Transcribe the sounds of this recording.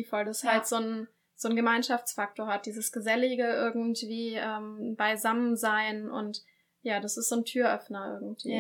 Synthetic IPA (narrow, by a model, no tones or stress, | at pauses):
fɔldashaltz̥oːn | z̥oːnɡəmaɪnʃaft͡sfak̚toːɐhat̚d̥iːzəsɡ̥əzɛlɪɡəʔɪɐɡŋ̩tv̥iːʔɛːmbaɪzamənzaɪnʔʊ̰nt | jaːdasɪstz̥oːntʰyːɐʔœfnɐʔɪ̰ɐɡŋ̩tv̥ḭː